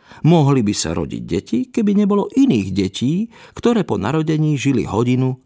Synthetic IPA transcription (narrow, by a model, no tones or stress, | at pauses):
mɔɦlibisa̰ɾɔ̰ɟḭɟ̚ɟɛcikɛbiɲɛbɔlɔʔiniːɣɟɛciːkt̪ɔɾɛːpɔna̰ɾɔɟɛɲiːʒilḭɦɔɟinu